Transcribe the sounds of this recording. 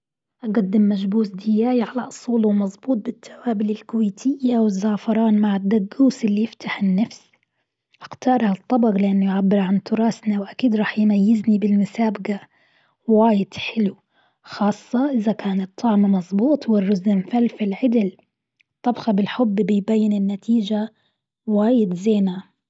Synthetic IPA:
ʔaɡad̪ːɪmːad͡ʒbuːsd̪ɪjaːjiʕalaʔʊsˤuːlwmɑzˤbuːt̪̚bɪt̪ʰːḁwaːbɪlɪlkʊweːt̪ʰɪjːawɪzːaːfɑɾˤɑːnmaʕɪd̪ːaɡːuːsɪlːijɪft̪ʰaħɪnːafs | ʔaqt̪ɑːɾˤht̪ˤːɑbɑɣlɪʔanːʊjʕabːɪɾʕant̪ʊɾˤɑːsnawʔakiːd̪ɾˤɑːħjmajːɪznibɪlmʊsaːbɡa | waːjɪd̪ħɪlu | xɑːsˤːɑʔɪðakaːnɨt̪ˤʰːɑʕmmɑzˤbuːt̪ˤwɪrːʊzɪmfalfɪlʕɪd̪ɪl | t̪ˤːɑbɣɑbɪlħʊbːbɪjbajːɪnɪnːat̪ʰiːd͡ʒa | waːjɪd̪zeːna

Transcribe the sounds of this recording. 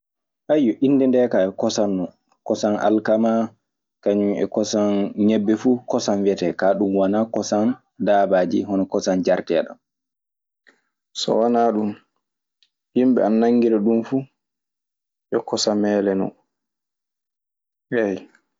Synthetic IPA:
ʔajjɔʔinːdɛndɛkajɔkɔsanːɔ | kɔsana̰lkama | kaɲumɛ̰kɔsanɲɛbːɛfukɔsanwɛtɛkaɗumwanakɔsan | daːbad͡ʒḭɦɔnɔkɔsand͡ʒaɾtɛɗa̰m | sɔ̰wanaɗum | himbɛ̰anːaŋɡiɾɛɗumfu | jɔkɔsamɛlɛnɔ̰ | hɛj

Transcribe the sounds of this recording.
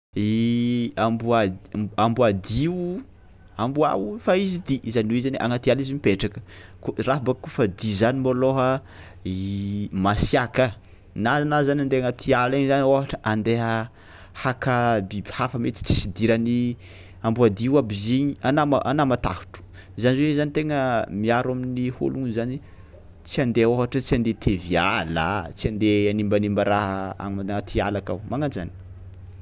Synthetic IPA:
i | ambuaambuad̪iw | ambua̰wufaizid̪iizaniwizaneʔaŋat̪ializimipeʈ͡ʂakə̥kuraɦabakufəd̪izanimoloɦə | imasiakə | nazanazanand̪eaŋat̪ʰialaɲizaniofaʈ͡ʂəʔand̪eɦə | hakabibi̥hafəmet͡s̪i̥t͡si̥sid̪iɾani | ambuad̪iwabiziɲianamaʔanamat̪a̰hu̥ʈ͡ʂu̥ | zaniwezanit̪eŋəmiaɾaminiho̰luŋzani | t͡siand̪eoɦaʈ͡ʂət͡siand̪et̪ʰeviala̰t͡siand̪eanimbanimbaɾaɦəa̰mimaeŋat̪ʰialaka̰wmaŋanza̰ni̥

